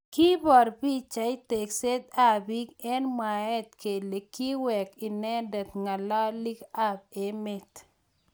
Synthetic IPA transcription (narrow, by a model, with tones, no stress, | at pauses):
ki˦bɔ˨ɾbi˦t͡ʃa˨ɪ˦te˨kse˦t̪̚a˦˨bi˦kɛ˦nmwa˨ɛ˦t̪ke˨le˨ki˦wɛ˨ki˨nɛ˦dɛ˨t̪ŋa˨la˦li˦ka˦b̚e˨me˦t̪